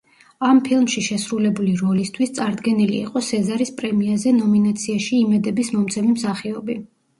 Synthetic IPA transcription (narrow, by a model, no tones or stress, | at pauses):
ampʰilˠmʃiʃɛsɾulɛbuliɾɔlist̪ʰwist̪sʼaɾd̪ɡɛnilḭːqʼɔsɛzaɾispʼɾɛmiazɛnɔminat̪sʰiaʃiːmɛd̪ɛbismɔmt̪sʰɛmimsaχiɔbi